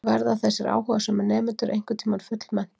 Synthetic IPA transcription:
vaɾðaθɛsːɪɾʔa̰ːwhɔvasɛmɛɾnɛːmʏnt̪ʏɾʔḛjŋ̥kʏt̪ʰiːmanfʏt̪l̥mɛn̥

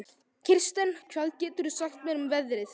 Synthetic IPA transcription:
cʰɪr̥st̪ɛncʰvalcɛːt̪ʏɾsajxt̪mɛːnʏmvɛðɾɪθ

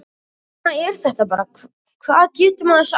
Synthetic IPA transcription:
aɛɾ̥θɛht̪apaːɾa | kʰvaːðcɛːt̪ʏmanɛs

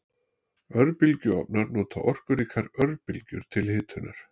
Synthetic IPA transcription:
œɾpɪlcʏɔ̰p̚naɾnuːt̪ʰa̰ʔɔr̥kʏɾiːkʰaɾœɾpɪlcʏɾ̥t̪ʰɪlhɪːt̪hʏnːa̰ɾ̥

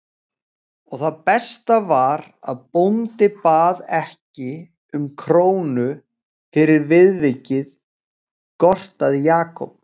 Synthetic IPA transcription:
ɔɣθaðpɛst̪avaɾ | aðpont̪ɪpaːðɛhcɪ | ʏmkʰɾoːwnʏ | fɪɾɪɾvɪðvɪcɪð | kɔr̥t̪aðjaːkɔ̰p̚

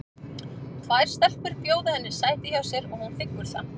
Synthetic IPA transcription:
t̪ʰvajɾ̥st̪œl̥kʏɾpjoːwðɪhɛnːɪɾ̥saːjt̪ɪçawsjɛɾɔɣhunfɪkmʏɾ̥θa̰

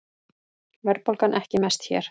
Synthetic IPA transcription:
vɛɾpolkanʔɛhcɪmɛst̪çɛ̰ːɾ̥

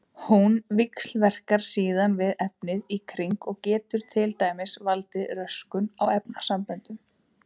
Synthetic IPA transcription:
hunvɪkslvɛr̥kaɾ̥siːðanvɪðɛp̚nɪðikʰɾiŋkɔɣcɛːt̪ʏɾ̥t̪ʰɪlt̪aːjmɪsvalt̪ɪrœskʏnawɛpnasampœnt̪ʏm

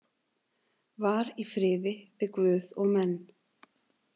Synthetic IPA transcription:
vaɾifɾɪːðɪvɪðkvʏːðɔɣmɛnː

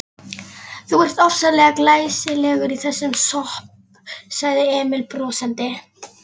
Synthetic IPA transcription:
θuɛr̥t̪ɔfsalɛɣaklaːjsɪlɛːɣʏɾiθɛsːʏmsɔhp̚ | saɣðɪɛːmɪlpɾɔːsant̪ɪ

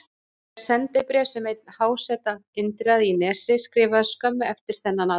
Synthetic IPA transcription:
sɛnt̪ɪpɾɛːsɛmejt̪̚nhaːwsɛt̪aɪnt̪ɾaðinɛːsɪskɾɪːvaskœmːʏɛft̪ɪɾ̥θɛnːana

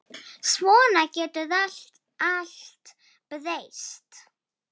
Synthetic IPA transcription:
swɔːnakɛːt̪ʏðaɬt̪ | aɬt̪ | pəðejst̪

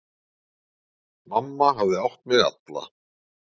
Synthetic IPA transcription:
mamːaɦavðɪawht̪mɛða̰t̪la̰

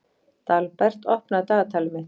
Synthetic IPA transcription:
t̪alpɛr̥t̪ɔhpnat̪aːt̪ʰalmɪt̪

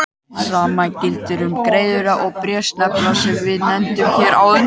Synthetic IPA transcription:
saːmacɪlt̪ɪɾʏmkɾeːjðʏɾaʔɔɣpɾjɛ̥st̪nɛpnasɛmvɪðnɛn̥t̪ʏmçɛːɾawðʏ

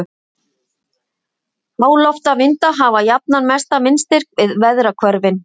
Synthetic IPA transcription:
aːwlɔft̪avɪnt̪aɦaːvajap̚nanmɛst̪amɪnst̪ɪr̥kvɪðvɛðɾakʰvœɾvɪn

